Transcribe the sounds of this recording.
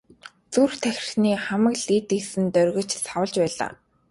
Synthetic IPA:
t͡surt̪ʰæxʲɪ̆r̥xniːχæmə̆kɮit̪iksɘ̆nt̪œrʲɣɞ̆t͡ɕsawə̆ɮt͡ɕpæːɮa̰ː

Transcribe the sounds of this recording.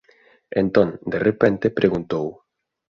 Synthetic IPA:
ent̪õnd̪erepent̪epɾʔeɣunt̪ow

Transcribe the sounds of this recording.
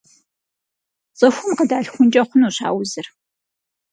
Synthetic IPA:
t͡sʼɐxʷʊmqədaːɬxʷʊnt͡ʃʼɐχʷʊnuːɕa̰ːwzɨr

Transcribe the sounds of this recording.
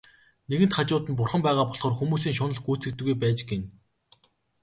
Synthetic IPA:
neɣɘ̆nt̪χat͡ɕʊːt̪ɘ̆np̬ʊrχə̆mpæːʁaːpɔɮχɔːrxumuːsiːŋʃ̬ʊnə̆ɮɡuːt͡sɘ̆k̚t̪ɘ̆ɣujpæːt͡ɕɡen

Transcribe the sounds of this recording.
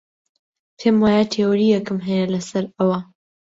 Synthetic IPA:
pʰemwaːjatʰeːwɾijɐkɨmɦɛjelɐsɐɾɐwɐ

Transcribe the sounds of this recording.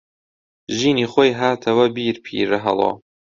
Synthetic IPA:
ʒiːniːχoːjɦaːt̪ʰɐwɐbiːɾpʰḭːɾɨɦɐ̰lˠo̰ː

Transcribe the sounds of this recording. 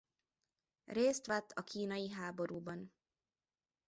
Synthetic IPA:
reːst̪ʋɛt̪ʰːɒkʰiːnɒjiɦaːbo̞ɾuːbɒn

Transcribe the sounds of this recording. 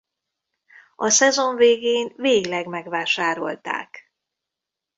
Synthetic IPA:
ɒsɛzo̞ɱveːɡeːnveːɡlɛɡmɛɡʋaːʃaːɾo̞̰lt̪a̰ːk

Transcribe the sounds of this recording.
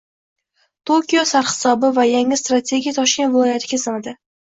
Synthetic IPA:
t̪ʰokʲijosaɾhɪ̥sɒbɪvajaŋɪst̪ɾat̪ʰe̞ɡʲijat̪ʰɒʃkʲenvɪlˠɒjat̪ʰɪɡʲasamad̪ɪ

